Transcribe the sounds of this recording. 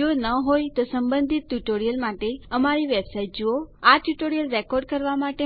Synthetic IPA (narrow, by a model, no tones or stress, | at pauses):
onəɦojt̪osəmbə̃nd̪ʱit̪̚ːuʈoɾijəlmaʈeəmaɾiʋebsait̚d͡ʒooaʈjuʈoɾijəlɾekɔɾɖ̚kəɾʋamaʈe